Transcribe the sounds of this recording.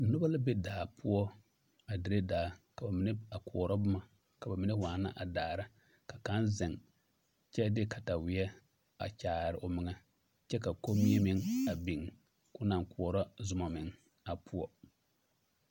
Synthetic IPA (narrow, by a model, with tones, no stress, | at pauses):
nʊ˦ba˦la˦be˦daː˨pʊ˦ɔ˦ | a˨dɪ˨ɾe˦daː˨ka˨ba˨mɪ˨ne˦a˨kʰʊ˨ɔ˨ɾɔ˦bʊ˦ma˨ | ka˨ba˨mɪ˨ne˦waː˨na̰˦ʔa˨daː˨ɾa˦ | ka˨ka˦nzɪ˨ŋ | t͡ʃɛ˦dɪ˦ka˨ta˨wɪ˨˦ɛ˦ | a̰˨t͡ʃaː˨ɾɪ˨ʔʊ˨mɪ˨ŋa˦ | t͡ʃɛ˦ka˨ko˦mi˦ɛ˦mɪ˨ŋa˨bi˨ŋ | kʊ˦na˨ŋ˨kʊ˨ɔ˨ɾɔ˦zʊ˨˦ma˨mɪ˨ŋ | a˨pʰʊ˦ɔ˦